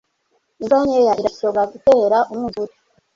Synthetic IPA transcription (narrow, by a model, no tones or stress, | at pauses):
inzaɲejaiɾasoɡaɡuteːɾaʔumuzuɾi